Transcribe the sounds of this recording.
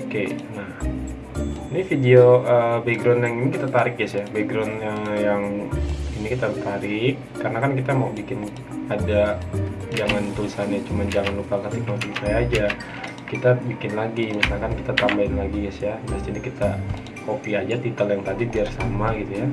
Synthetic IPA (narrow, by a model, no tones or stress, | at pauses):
okenah | inifidioʔəbeɡɾanjaŋinikit̪at̪aɾɪk̚jɛsjabeɡɾɔnəjaŋinikit̪at̪aɾɪkːarnakankit̪amaubikɪn | ada | d͡ʒaŋant̪ulisanjat͡ʃumand͡ʒaŋanlukakat̪ik̚not̪ipajad͡ʒa | kit̪abikɪnlaɡiɲasnakankit̪at̪ambaɪnlaɡijɛsjabasd͡ʒadikit̪a | kopiad͡ʒat̪it̪əljaŋt̪adidiarsamaɡit̪uja